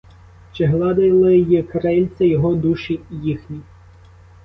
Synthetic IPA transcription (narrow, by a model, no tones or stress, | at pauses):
t͡ʃɪɦlˠɑd̪ɪlˠɪjikɾɛlʲsʲɐjɔɦɔd̪uʃijixnʲi